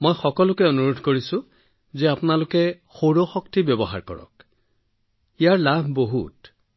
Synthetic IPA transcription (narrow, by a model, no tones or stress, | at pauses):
mojxɔkɔlʊkɛonuɹodʱkoɹisʊ̃ | zɛapʊnalʊkɛ | xoɹoxɔktibjɔbɔɦa̰ɹkɔ̰ɹɔ̰k | ijaɹlabʱboɦṵt